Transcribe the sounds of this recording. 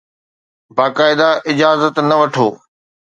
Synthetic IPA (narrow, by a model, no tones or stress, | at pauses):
baːkaːɪd̪aʔɪd͡ʑaːzət̪nɐʋɐʈʰoː